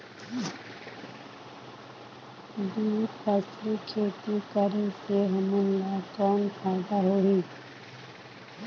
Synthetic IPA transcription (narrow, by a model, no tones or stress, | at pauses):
d̪uːpʰɛːslikʰeːt̪ikəɾeseɦəmənlaːkɔːnpʰaːd̪aɦoːɦiː